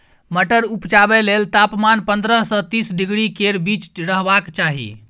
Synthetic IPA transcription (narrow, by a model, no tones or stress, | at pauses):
məʈəɾupt͡ʃabelelt̪apmanpənd̪ɾəɦsə̃t̪isɖiɡɽikeɾbit͡ʃɾəɦbakt͡ʃaɦḭ